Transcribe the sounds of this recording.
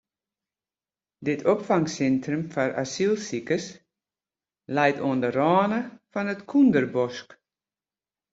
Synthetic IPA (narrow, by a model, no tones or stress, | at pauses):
dɪtʰopfaŋsɛntʰrəmfara̰silˠsikəs | lɛjtoəndərɔːnəfɔnətkʰundərbɔsk